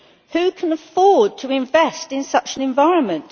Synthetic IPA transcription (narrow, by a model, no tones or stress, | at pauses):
hʉkʰə̃nəfɔːd̚tʰəɪ̃ɱvɛstɪ̃nsʌt͡ʃə̃nɨ̃ɱvaɪɹə̃nmə̃nʔ